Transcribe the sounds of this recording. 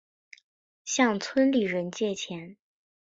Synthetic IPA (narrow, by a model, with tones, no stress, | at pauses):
ɕjɑ˥˧ŋt͡sʰwə˥nli˨˩ɻə˧˥nt͡ɕjɛ˥˩t͡ɕʰjɛ˧˥n